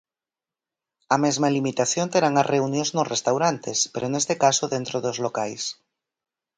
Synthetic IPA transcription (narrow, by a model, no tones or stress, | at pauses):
amezmalimit̪aθjont̪eɾaŋarʔeunjõznosrʔest̪awɾant̪espeɾonest̪ekasoðent̪ɾoðozlokajs